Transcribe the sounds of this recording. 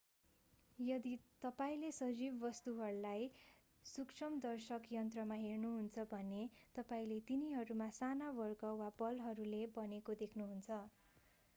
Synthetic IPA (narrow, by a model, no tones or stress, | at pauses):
jʌd̪it̪ʌpaĩlesʌd͡zibːʌst̪uɦʌɾulaj | sukt͡sʰʌmd̪ʌrsʌkjʌnt̪rʌmaɦernuɦunt͡sʰʌbʱʌnet̪ʌpaĩlet̪iniɦʌɾumasanabʌrkʌwapʌlɦʌɾulebʌnekod̪ekʰnuɦunt͡sʰʌ